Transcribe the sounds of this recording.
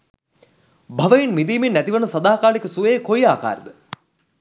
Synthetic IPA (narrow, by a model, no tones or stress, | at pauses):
bʱɐʋɐjinmid̪iːminːæt̪iʋɐnəsɐd̪aːkaːɭikəsuʋejkojaːka̰ːɾəd̪ə